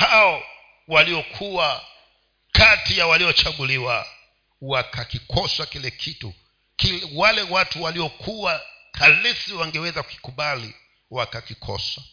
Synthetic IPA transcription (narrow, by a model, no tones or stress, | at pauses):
haɔ | waliɔkʰuwa | katijawaliɔt͡ʃaɡuliwa | wakʰakikʰɔswakilɛkʰitṵ | kiwalɛwatuwaliɔkʰuwakʰalisiwaŋɡɛwɛzaku̥ki̥kuɓalḭ | wakakikʰɔ̰swa